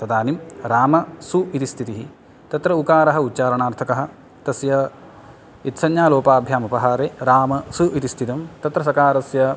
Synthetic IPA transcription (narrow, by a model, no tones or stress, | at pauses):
t̪ɐd̪aːnimɾaːmɐsuit̪ist̪ʰit̪iɦi | t̪ɐt̪ɾɐukaːɾɐɦɐ̆ut̪t͡ʃaːɾɐɳaːɾt̪ʰɐkɐɦɐ̆ | t̪ɐsjɐ | it̪sɐnjaːloːpaːbʱjaːmɐpɐɦaːɾeːɾaːmɐsuʔit̪ist̪ʰit̪ɐmt̪ɐt̪ɾɐs̬ɐkaːɾɐsjɐ